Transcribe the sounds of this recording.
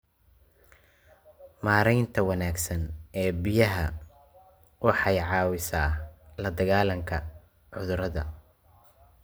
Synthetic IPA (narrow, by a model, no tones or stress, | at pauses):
maːɾɛjnt̪ʰɐwɐnaːɡsɐnɛːbɪjɐɦɐ | wɑħɑjʕɑːwɪsaːlɐd̪ɐɣaːlɐŋkʰɐ | ʕʊðʊɾɐðɐ